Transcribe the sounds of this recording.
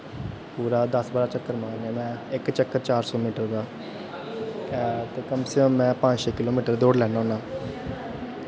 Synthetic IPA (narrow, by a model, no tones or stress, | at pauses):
puːɾaːd̪əsbaːɾaːt͡ʃəkːəɾmãːneːmɛ̃ːɪkt͡ʃəkːəɾt͡ʃaːɾsɔːmiːʈəɾbaː | t̪eːkəmsəkəmːɛ̃ːpə̃d͡ʒʃeːkɪloːmiːʈəɾd̪oːɽlɛːnãːnaː